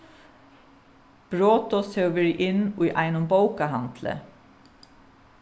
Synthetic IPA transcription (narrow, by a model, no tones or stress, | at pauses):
b̥ɹoːt̪ɔsœʋeɹiʔɪniːʔæɪnʊmbɑʊkɑhɑnd̪̥lə̰